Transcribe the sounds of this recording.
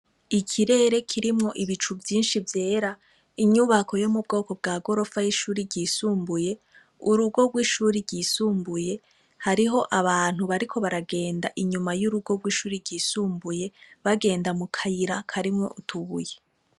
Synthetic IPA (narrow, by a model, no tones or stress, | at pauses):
ikʰiɾe̞ːɾe̞kʰiɾimŋo̞ʔiβit͡ʃuvjiːnʃivje̞ːɾa | iɲuβako̞jo̞mub̚ɡo̞ːko̞b̚ɡaːɡo̞ɾo̞fajiʃuːɾiɾɟiːsuːmbuje̞ | uɾuɡo̞ɡwiːʃuːɾiɾɟiːsuːmbuje̞ | haɾiɦo̞ʔaβaːn̥huβaɾikʰo̞βaɾaɡe̞ːndaʔiɲumajuɾuɡo̞ɡwiːʃuːɾiɾɟiːsuːmbuje̞βaɡe̞ːndamukʰajiɾakʰaɾimŋo̞̰ʔutʰuβuje